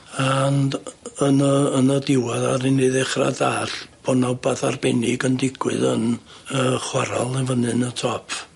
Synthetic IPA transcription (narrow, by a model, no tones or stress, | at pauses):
anənəənədɪwaðaɾɪneðɛχra̰daːɬb̥ʰɔnawbaðarbɛnɪɡəndɪɡ̥wɨ̰ðən | əχwaɾa̰lˠɛvənɨnətʰɔpʰ